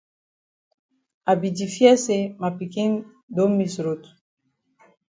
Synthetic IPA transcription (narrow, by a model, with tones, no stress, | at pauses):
a˨bi˨di˨fjɛ˦se˦ma˨pi˨ki˦n | do˦mmi˨sɾo˨t̪u̥